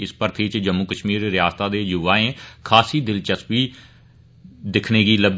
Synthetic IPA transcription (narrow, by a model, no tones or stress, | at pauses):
ɪspəɾt̪ʰit͡ʃd͡ʒəmːʊkəʃmiːɾɾɪjaːst̪aːd̪eːjuʋaːẽːkʰaːsiːd̪ɪlt͡ʃəsʋiː | d̪ɪkʰneːɡiːləb